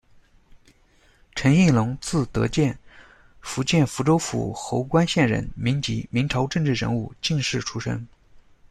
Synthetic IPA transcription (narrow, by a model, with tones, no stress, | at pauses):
ʈ͡ʂʰə˧˥ni˥˩lʊ˧˥ŋt͡sɹ̩˥˩t̪ɤ̰˧˥t͡ɕjɛ˥˩n | fu˧˥t͡ɕjɛ˥˩nfu˧˥ʈ͡ʂo˥ʊfṵ˧˥xo˧˥ʊkwa˥nɕjɛ˥˩nɻə̰˧˥nmi˧˥ŋt͡ɕi˧˥mi˧˥ŋʈ͡ʂʰɑ˧˥ʊʈ͡ʂɤ˥˧ŋʈ͡ʂɻ̩˥˩ɻə̰˧˥nu˥˧t͡ɕi˥˧ŋʂɻ̩˥˩ʈ͡ʂʰu˥ʂə̰˥ŋ